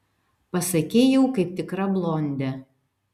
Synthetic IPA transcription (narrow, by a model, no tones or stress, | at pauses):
pɐsɐkʲeːjɛʊkɐɪp̚t̪ʲɪkɾɐblˠonʲd̪ʲɛ